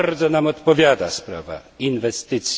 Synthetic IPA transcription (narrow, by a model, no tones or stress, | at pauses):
ɾd̪zɔnamɔt̪pɔvʲjad̪a̰spɾa̰va̰invɛst̪ɘt̪s